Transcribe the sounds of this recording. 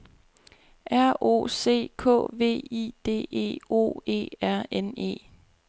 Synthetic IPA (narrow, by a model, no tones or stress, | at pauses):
ʔæɐ̰o̝̰ːse̝̰ːkʰɔ̰̽ːʋe̝̰ːḭːd̥e̝̰ːe̝̰ːo̝̰ːe̝̰ːæɐ̰ene̝̰ː